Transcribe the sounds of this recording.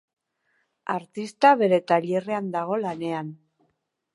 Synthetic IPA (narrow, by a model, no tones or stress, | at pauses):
aɾt̪ist̪aβe̞ɾe̞t̪aʎe̞reand̪aɣ̞o̞lane̞an